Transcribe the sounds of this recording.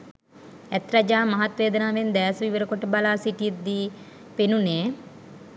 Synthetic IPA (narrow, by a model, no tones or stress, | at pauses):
ɛt̪rad͡ʒaːmɐɦat̪ʋeːd̪ənaːʋend̪æːsʋiʋəɾəkoʈəbalaːsiʈijət̪d̪iː | penuneː